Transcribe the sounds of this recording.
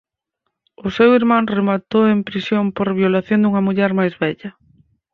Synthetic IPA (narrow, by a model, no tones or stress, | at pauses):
ʊsewiɾmãŋremat̪oempɾisjompoɾβjolaθjond̪uŋɐmuʎɛɾmajzβɛʎɐ